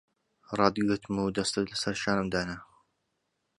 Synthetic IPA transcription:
ɾˤɑːd̪iɡət̪muːd̪ɐst̪ɨt̪lɐsɐɾʃaːnɨmd̪aːna

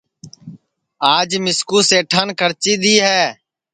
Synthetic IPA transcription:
aːd͡ʒmɪskuːseːʈʰənkʰəɾt͡ʃiːd̪iːɦɛː

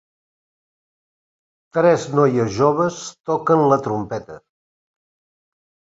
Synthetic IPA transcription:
t̪ɾɛznɔjəzʒoβ̞əst̪ɔkənlət̪ɾumpɛt̪ə

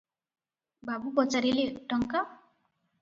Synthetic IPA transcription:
bʱabubʌt͡saɾileʈʌŋka

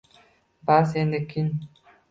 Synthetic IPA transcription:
bas̬enekːin

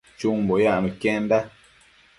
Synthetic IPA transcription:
t͡ʃuŋm̩bɔjaməkɛ̃nda

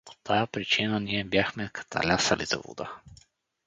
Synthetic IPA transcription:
po̥t̪ʰajapɾit͡ʃinaniɛbjaxmɛkʰḁt̪a̰lʲasalḭza̰vṵd̪a̰

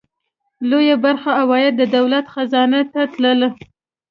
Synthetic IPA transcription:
lojabaɾxaawɑjad̪̚ːəd̪awlat̪xazɑnat̪at̪ləla

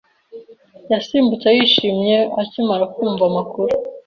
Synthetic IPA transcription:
jasiːmbut͡sajiʃiːmɲe̞acimaɾakuːɱvamakuɾu

